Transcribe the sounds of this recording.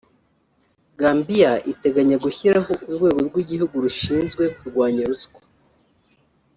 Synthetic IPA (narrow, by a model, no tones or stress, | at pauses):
ɡaːmbijaʔite̞ɡaɲaɡuçiɾaɦoʔuɾɡwe̞ːɡo̞ɾɡwiɟihuɡuɾuʃiːnzɡwe̞kuɾɡwaːɲeɾuskḁ